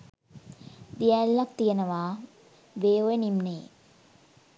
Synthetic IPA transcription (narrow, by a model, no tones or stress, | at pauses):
d̪ijɛlːak̚t̪ijənəʋaː | ʋeːojenimneː